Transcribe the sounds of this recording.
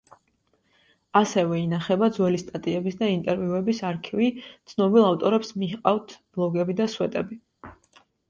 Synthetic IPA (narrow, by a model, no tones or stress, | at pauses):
asɛvɛinaχɛbad̪zwɛlist̪ʼat̪ʼiɛbisd̪aint̪ʼɛɾviuɛbisaɾkʰivit̪sʰnɔbilˠaft̪ʼɔɾɛpsmiqʼavt̪ʰb̥lˠɔɡɛbid̪aswɛt̪ʼɛbi